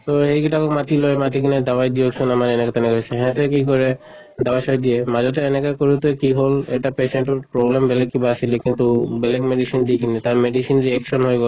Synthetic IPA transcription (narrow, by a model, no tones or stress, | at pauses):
t̪ɔhejkitabɔkmat̪ilojmat̪ikinɛd̪awajd̪ioksɔnamaɹɛnɛkɔt̪ɛnɛkɔjsɛɦɛ̃t̪ɛkikɔɹɛ | dawajsɔjd̪ijɛmazɔt̬ɛːnɛkakoɹut̪ekiɦolɛ̰ʈapesɛnʈɔɹpɹoblɛmbɛlɛk̚ːibaːsilɛkint̪ubɛlɛɡmeɖisind̪ikinitaɹmedisinɹiɛksɔnɦojɡɔl